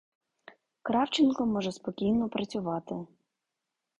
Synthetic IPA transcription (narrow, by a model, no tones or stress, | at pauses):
kɾɑwt͡ʃɪnkɔmɔʒɛspɔkʲijnɔpɾɐt͡sʲʊʋɑt̪ɪ